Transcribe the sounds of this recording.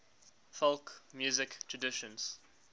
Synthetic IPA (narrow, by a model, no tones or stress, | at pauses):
fɔlˠkmjuːzɪktʰɹədɪʃə̃nz̥